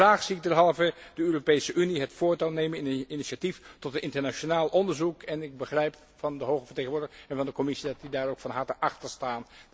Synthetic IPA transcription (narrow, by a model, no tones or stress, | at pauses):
raːχsiɪɡ̚dɛɹɦɑlˠvədəøːropejsəʔyniɦətfʊːɹtalˠnejmənɪniniʃatiftɔtənɪntəɹnaʃonaːlˠʔɔndəɹzukɛnɪɡ̚bəχrɛjp | fɑndəɦowχəvəɹteχənʋʊːɹdəəɛnvɑndəkɔmɪsidɑtidaːɹowkfɑnɦɑɹtəʔɑχtəɹstaːn